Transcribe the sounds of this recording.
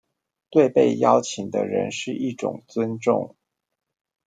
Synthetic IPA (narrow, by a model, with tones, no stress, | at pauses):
t̪we˥˧ɪpe˥˩ɪjɑ˥ʊt͡ɕʰi˨˩ŋd̪ə̰˦ɻə̰˧˥nʂɻ̩˥˧ʔi˥˩ʈ͡ʂʊ̰˨˩ŋt͡swə˦˥nʈ͡ʂʊ̰˥˩ŋ